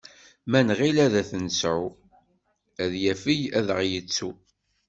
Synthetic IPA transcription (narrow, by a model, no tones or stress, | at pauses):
mænʁilæðæθənəsʕu | æðjæfijæðəʁjət͡sːu